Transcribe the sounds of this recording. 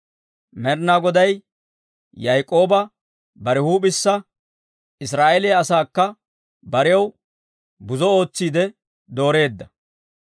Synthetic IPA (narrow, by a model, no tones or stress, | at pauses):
mɛɾnaɡɔd̪ɐj | jɐjkʼːo̞ːbɐ | bɐɾɪhuːbɪsːɐ | ɪs̬ɾaːʔelejɐsaːkːɐ | bɐɾɪɐw | bʊzɔo̞ːt͡sːiːd̪ɛ | d̪o̞ːɾe̞ːd̪ːɐ